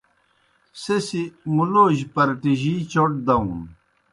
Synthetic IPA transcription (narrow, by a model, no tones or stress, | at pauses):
sesimuloːʑpɐɾʈiʑiːt͡ɕoʈ̚d̪ɐũn